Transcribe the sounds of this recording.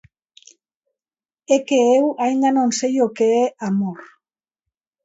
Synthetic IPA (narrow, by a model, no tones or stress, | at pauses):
ekeewajnd̪anonsejokeːamoɾ